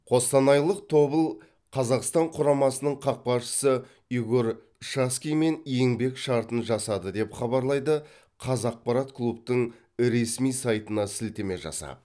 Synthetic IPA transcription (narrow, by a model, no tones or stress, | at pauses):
qʰo̞st̪ɑnɑjlˠəq̚t̪ʰo̞bəlˠ | qʰɑzɑqst̪ɑɴqʰʊɾɑmɑsənəɴqʰɑq̚pɑʃə̥sə | iɡʲoɾ | ʃaskʲijme̞nje̞ŋbe̞kʃɑɾt̪ənʒɑsɑd̪əd̪e̞pχɑbɑɾlˠɑjd̪ə | qʰɑzɑq̚pɑɾɑt̪kʰlˠupt̪əɴ | ɾe̞smijsɑjt̪ənɑsɪlt̪e̞me̞ʒɑ̰sɑ̰